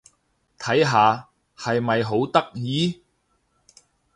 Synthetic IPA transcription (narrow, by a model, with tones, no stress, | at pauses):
t̪ʰɐ˨˥jɦaː˨˧ | hɐ˨jmɐ˨jɦo˨˥wt̪ɐ˥k̚jiː˨˥